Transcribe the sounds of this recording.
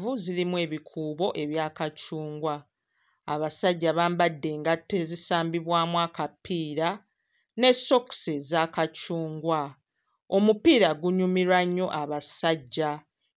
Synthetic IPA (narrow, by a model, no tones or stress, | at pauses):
vuzilimwe̞ːβikʰuːβo̞ʔe̞βjaːkacuːŋɡwaː | βasaɟːaβaːmbadːe̞ːŋɡatːe̞zisaːmbiβwaːmwakapːiːɾa | ne̞so̞kse̞zakacuːŋɡwa | o̞mupiːɾaɡuɲumiɾaɲːo̞ʔaβasaɟːa